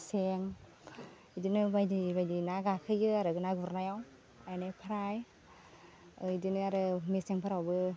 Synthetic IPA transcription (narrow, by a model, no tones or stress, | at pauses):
seŋ | idɯnɯbajdibajdinaɡakʰɯjɯaɾɯɡɯnaɡuɾnajaw | ajnepʰaɾaj | ɯjdɯnɯaɾɯmeseŋpʰaɾawbɯ